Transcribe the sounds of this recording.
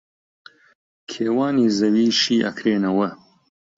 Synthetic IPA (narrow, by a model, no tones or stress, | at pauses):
kʰeːwaːniːzɐwiːʃiːʔɐ̰kʰɾeːnɐwɐ